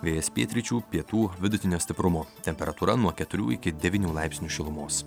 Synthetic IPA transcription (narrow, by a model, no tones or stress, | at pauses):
ʋʲeːjɛsʲpʲiːt̪ʲɾʲɪt͡ʃʲuːpʲiɛt̪uːʋʲɪd̪ʊt̪ʲɪnʲoːst̪ʲɪpɾʊmoːt̪ʲɛmʲpʲɛɾɐt̪uːɾɐnuɔkʲɛt̪ʊɾʲṵːɪkʲɪd̪ʲɛʋʲiːnʲuːlˠɑˑɪpʲsʲnʲuːʃʲɪlˠʊmoːs